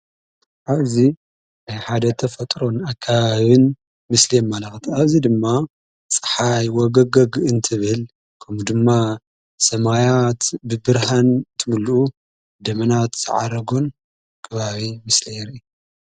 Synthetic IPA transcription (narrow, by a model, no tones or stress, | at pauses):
ʔaβzi | jħad̪ɐt̪ʰɐfɐt̪ʼɾo̞nakʰːaβaβɨn | mɨslijɛmːalaxt̪ʰiaβzid̪ɨmːa | t͡sʼɨ̥ħajwɔɡɐɡɐɡɨnt̪ʰɨβɨl | kʰɐmud̪ɨmːa | sɐmajat̪bɨbɨɾhantt̪ʰɨmuluʔu | d̪ɐmɐnat̪z̥ɨ̰ʕa̰ɾɐɡo̞n | kʰɐβaβimɨslijɛɾi